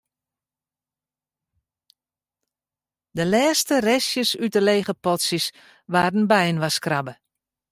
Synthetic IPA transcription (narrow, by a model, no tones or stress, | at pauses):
dəlɛːstərɛsjəsyəleːɣəpɔtsjəs | ʋaːdən̩bɛjənʋaskrabə